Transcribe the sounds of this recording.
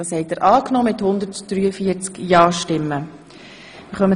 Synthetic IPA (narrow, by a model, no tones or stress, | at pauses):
ɑːshɛɪtdəɾʔɑːknɔːmɪt̪hʊnd̪əɾtd̥ɾyːəfiət͡skjɑːʃtɪmːə | mɪχœmə